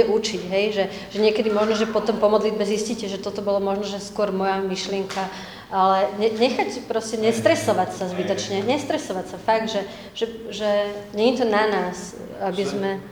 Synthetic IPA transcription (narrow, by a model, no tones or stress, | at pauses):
ɛʔut͡ʃiɟɦɛjʒɛʒ̥ɛɲɪɛkɛd̪imɔʒnɔʒɛpɔt̪ɔmpɔmɔd̪lid̪̚bɛziscicɛʒɛt̪ɔt̪ɔbɔlamɔʒnɔʒɛskʊɔɾmɔjamiʃlɪɛŋkʰa | ʔalɛɲɛɲɛxacpɾɔscɛɲɛst̪ɾɛsɔʋacsazbit̪ɔt͡ʃɲɛɲɛst̪ɾɛsɔʋacsafaɡ̚d̪ʒɛ | ʒ̥ɛʒɛɲɛɲit̪ɔnanaːs | abizmɛ